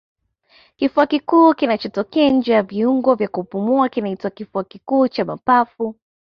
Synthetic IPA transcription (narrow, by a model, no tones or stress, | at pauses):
kifuakikuːkinat͡ʃɔtɔkɛaɲ̩d͡ʒɛjaviuŋɡɔvjakupumuakinaitwakifuakikuːt͡ʃamapafu